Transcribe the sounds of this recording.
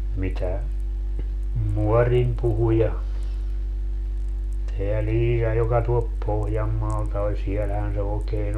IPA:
mitæ muɔrim puhu jɑ teæ liːjɑ jokɑ tuolp pohjɑmːɑːltɑ ol sielhæn se oːkeːn

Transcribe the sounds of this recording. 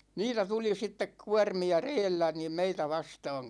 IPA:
niːtæ tuli sitːek kuɑrmiɑ reːlːæ niːm meitæ ʋɑstɑːŋ

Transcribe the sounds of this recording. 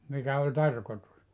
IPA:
mikæ olʲ tɑrkotus

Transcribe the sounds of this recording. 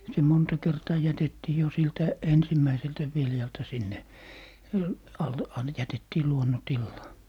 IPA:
se montɑ kertɑː jætetːiː jo siltæ ensimːæiseltæ ʋiljɑltɑ sinːe ɑlːe ɑn jætetːiː luonːontilːɑː

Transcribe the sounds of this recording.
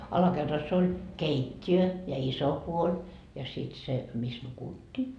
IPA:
ɑlɑkerːɑs olʲ keitʲːiø jɑ iso puolʲ jɑ sit se mis nukutːiː

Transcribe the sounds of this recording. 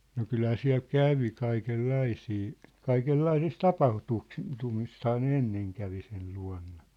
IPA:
no kylhæː siæ̝l kæʋi kɑikelːɑisiː kɑikelːɑisis tɑpɑhtuksi tumisthɑː ne enːeŋ kæʋi sel luɑ̝nːɑ

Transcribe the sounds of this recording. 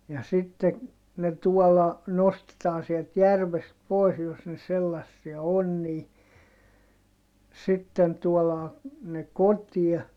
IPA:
jɑ sitːe ne tuɔlːɑ nostetɑːn sielt jærʋest pois jos ne selːɑsːiɑ on niː sitːen tuolɑː ne kotiɛ

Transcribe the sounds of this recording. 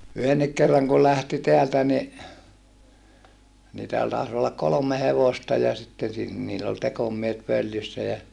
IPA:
yhenːik kerːɑŋ kul læhti teæltæ ni niːtæhæn tɑˑis olːɑk kolomˑe heʋostɑ jɑ sitːen̞ sin niːlː ol tekomiehet ʋøljysːæ jæ

